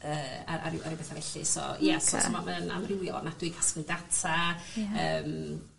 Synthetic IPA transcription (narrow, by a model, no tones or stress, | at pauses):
əːa̰ɾa̰ɾɪwaɾiwbeθavɛɬɨ̰sɔ̰jɛsɔtɔmaməna̰mrɪwjɔ̰nad̥wɨkʰasklɨdatʰaəːm